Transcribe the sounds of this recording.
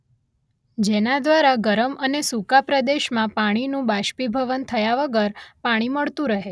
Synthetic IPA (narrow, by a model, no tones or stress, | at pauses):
d͡ʒenad̪ʋaɾaɡəɾəmənesukapɾəd̪eʃmãpaɽ̃inũbaʃpibʱəʋənt̪ʰəjaʋəɡəɾpaɽ̃iməɭt̪ũɾəɦe